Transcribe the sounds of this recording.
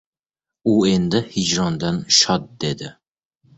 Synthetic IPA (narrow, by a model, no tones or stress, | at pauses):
uend̪ɪhid͡ʒɾɑnd̪ɑnʃɑt̪̚d̪ed̪ɪ